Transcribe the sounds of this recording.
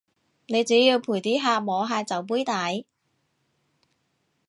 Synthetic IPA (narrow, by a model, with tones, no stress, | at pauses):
ne˨˧jt͡siː˨˥jiː˧wpʰuː˨˩jt̪iː˨˥ɦaː˧mɔː˨˧ɦaː˧t͡sɐ˨˥wp̬uː˥jt̪aː˨˧˥j